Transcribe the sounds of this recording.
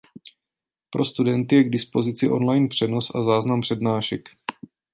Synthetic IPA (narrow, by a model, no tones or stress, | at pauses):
pɾʔo̞st̪udɛnt̪ɪjɛɡdɪspo̞zɪt͡sɪʔo̞̰nlajnpr̝̥ɛno̞sʔazaːznampr̝̥ɛdnaːʃɛk